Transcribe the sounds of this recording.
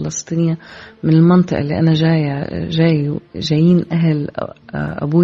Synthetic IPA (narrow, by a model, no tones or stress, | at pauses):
lɑsˤt̪ˤiːnɪjːamɪnɪlmɑnt̪ˤɨʔɑ̰lːiʔanaʒaːjaʒaːjʒajiːnʔaɦl̰ | ʔa̰buː